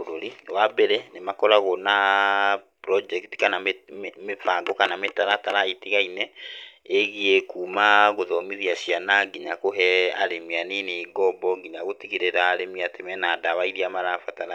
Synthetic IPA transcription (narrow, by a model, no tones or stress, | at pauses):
oɾoɾiwabɛɾɛnemakɔɾaɣɔna | pɾɔd͡ʒɛkti̥kanammefaŋɡɔkanametaɾataɾaetiɣainɛeɣiekuːmaɣoðɔmiðiaʃianaɡiɲakoɦɛaɾemianineɡɔmbɔŋɡiɲaɣotiɣiɾeɾaɾemiatemɛnadaβaiɾiamaɾafataɾa